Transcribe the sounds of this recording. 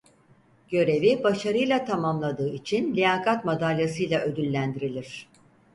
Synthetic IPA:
ɟ̥ø̞ɾe̞vibaʃaɾɯjlˠat̪ʰamamlˠad̪ɯːit͡ʃʰinlʲijaːkʰat̪mad̪alʲjasɯjlˠaø̞d̪ylʲːænd̪iɾilʲiɾ̝̥

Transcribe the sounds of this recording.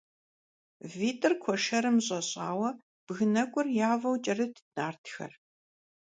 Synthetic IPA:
viːtʰʼɨrkʷʰɔʂɐɾɨmɕʼɐɕʼaːwɐ | b̥ɣɨnɐkʷʼʊrjaːvɐwt͡ʃʼɐrɨtʰɨ̥naːrtʰxɐ̰r

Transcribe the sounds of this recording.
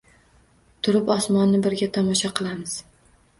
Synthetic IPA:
t̪ʰʊɾɪpɒsmɒnːɪbɪɾɡʲat̪ʰɒmɒʃaqʰɨlˠamɪz̥

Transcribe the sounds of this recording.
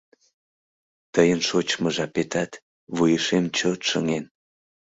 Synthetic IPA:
t̪əjənʃot͡ɕməʒɑpet̪ɑt̪ | βujəʃemt͡ɕot̪ʃəŋen

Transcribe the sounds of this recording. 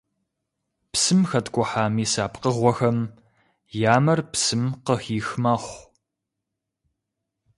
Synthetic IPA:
psɨmxɐtʰkʷʼʊħaːmiːsaːpqəʁʷɔxɐm | jaːmɐrpsɨmqəxiːxmɐχʷ

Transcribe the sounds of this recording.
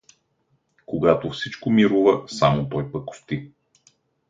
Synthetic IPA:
koɡat̪ofsit͡ʃkomiɾuvəsamot̪ɔjpəkʊ̥st̪i

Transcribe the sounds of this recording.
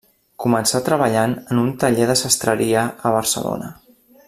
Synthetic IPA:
kumənsat̪ɾəβ̞əʎanənunt̪əʎeðəsəst̪ɾəɾiəəβ̞əɾsə̰lo̰nə

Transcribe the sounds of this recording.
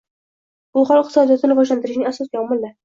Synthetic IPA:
bʊχɒlˠɪq̚t̪ɨ̥sɒd̪ijɒt̪ʰɪɾvɒʒlant̪ɪɾɪʃnɪŋasɒsɡʲɑmɪlːa

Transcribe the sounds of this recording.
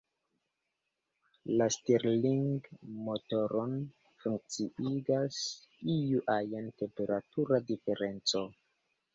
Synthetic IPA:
lasteɾliŋɡmoto̞ɾon | fuŋk̚t͡siiɡas | ijuʔajante̞mpe̞ɾatuɾadife̞ɾe̞nt͡so̞

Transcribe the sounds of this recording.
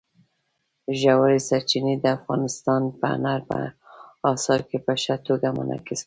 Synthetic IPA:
ʒawaɾesaɾt͡ʃined̪əafɣɑ̰nɪst̪ɑnpə̰naɾpə̰ɑsɑɾkepəʃat̪oɡamə̰nʔɑ̰kis

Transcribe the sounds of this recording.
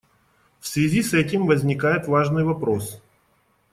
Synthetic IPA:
fsʲvʲɪzʲisɛtʲɪmvəzʲnʲɪkajɪt̪vaʐnɨjvɐpɾo̞s

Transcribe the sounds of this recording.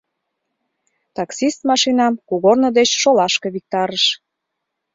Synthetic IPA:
t̪ɑksist̪mɑʃinɑmkuɣornə̆d̪et͡ɕʃolɑʃkĕβik̚t̪ɑɾəʃ

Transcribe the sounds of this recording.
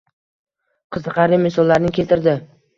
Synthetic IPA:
qʰɨzɨqɑɾɪmesɒlˠːaɾɪnɪkʲʰe̞lt̪ɪɾd̪ɪ

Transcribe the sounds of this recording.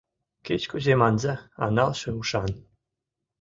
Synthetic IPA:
ket͡ɕkuzemɑnzɑɑ̰nɑlʃĕuʃɑn

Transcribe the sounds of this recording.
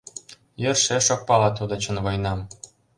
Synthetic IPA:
jerʃeʃok̚pɑlɑt̪ud̪ɤ̆t͡ɕə̆nvɤ̆jnɑm

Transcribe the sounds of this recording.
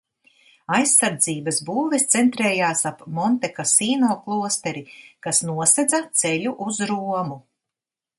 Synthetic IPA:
ajsːaɾd̪ziːbɐsbuːvɛst̪sent̪ɾɛːjaːsapmɔnt̪ɛkasiːnoːklˠuɔst̪ɛɾikasnuɔsɛd̪zat̪sɛʎʲuʔuzɾuɔmu

